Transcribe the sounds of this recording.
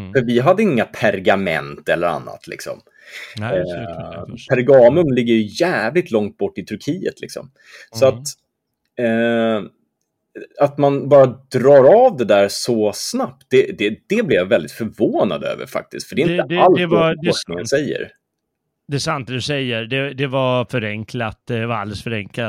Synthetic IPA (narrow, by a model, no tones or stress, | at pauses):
fœɾvɪɦad̪ːəɪŋːapʰæɾɡamɛ̰nt̪ɛlːəɾa̰nːa̰t̪ʰlɪ̰ksɔ̰m | pʰæɾɡɑːmɵmlɪɡːəɾjɵjæːvlɪt̪lɔŋt̪̚bɔʈːɪt̪ʰɵɾkʰiːə̰t̪ʰlɪ̰ksɔ̰m | sɔat̪ː | at̪manbɑːɾad̪ɾɑːɾavd̪ɛd̪æːɾsɔsnap̚t̪̚d̪ɛd̪ɛd̪̥ɛblɛjavɛld̪ɪt̪fœɾvoːna̰d̪ø̰ːvə̰ɾfa̰k̚t̪ɪsk̪fœɖɛɪnəalɛvaɔsknɪŋənsɛjːə̰ɾ | d̪̥ɛːsant̪̚d̪ɵsɛjːəɾd̪ɛd̪ɛvafœɾɛŋkʰlat̪̚ɛvaɾa̰ld̪ɛlsfœɾɛŋkla